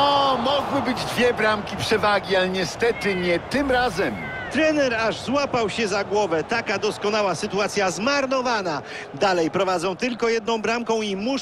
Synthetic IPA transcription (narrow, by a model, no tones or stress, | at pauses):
ɔmɔɡwɘbɘd͡ʑd̪vʲjɛbɾamkʲipʂɛvaɡʲialɛɲɛst̪ɛt̪ɘɲɛt̪ɘmɾazɛm | t̪ɾɛnɛɾaʐzwapawɕɛzaɡwɔvɛt̪akad̪ɔskɔnawasɘt̪uat̪sʲjazmaɾnɔvana | d̪alɛjpɾɔvad̪zɔ̃w̃t̪ɘlkɔjɛd̪̚nɔ̃w̃bɾamkɔ̃w̃imu